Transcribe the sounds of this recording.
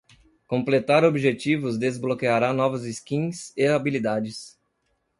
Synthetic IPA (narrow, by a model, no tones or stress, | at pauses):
kõmplet̪aɾobiʒet͡ʃivʊzd̪ezblokeaɾanɔvɐziskĩseabilid̪ad͡ʒɪs